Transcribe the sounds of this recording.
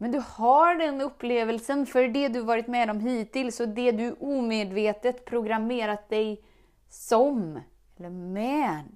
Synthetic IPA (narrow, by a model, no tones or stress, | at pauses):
mɛnd̪ɵhaɖɛnɵpːleːvəlsənfœɾɖɛd̪ɵavɑːɾɪt̪mɛd̪ɔmɦiːt̪ɪlsɔd̪ɛd̪ɵʔuːmeːd̪veːt̪ət̪pʰɾʊɡɾameːɾat̪̚d̪ɛj | sɔm | ɛlːəɾmɛd̪